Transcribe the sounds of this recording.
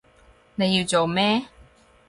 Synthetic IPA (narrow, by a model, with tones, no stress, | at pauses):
ne˨˧jiː˧wt͡so˨wmɛː˥